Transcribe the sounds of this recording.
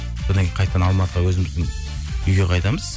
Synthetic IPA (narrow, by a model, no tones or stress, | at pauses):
so̞d̪ɑnŋkʲejqʰɑjt̪ːəd̪ɑnɑlˠmɑt̪əʁɑwɵzɪmɪzd̪ɪŋ | ʏjɡʲe̞qʰɑjt̪ɑməz̥